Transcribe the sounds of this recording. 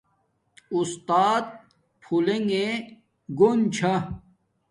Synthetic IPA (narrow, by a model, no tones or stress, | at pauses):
ust̪aːt̪̚ | pʰuleŋɡẽ | ɡunt͡ɕʰɐ